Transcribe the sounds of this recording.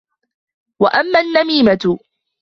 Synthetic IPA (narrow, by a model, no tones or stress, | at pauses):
waʔamːaːnːamiːmat̪ʊ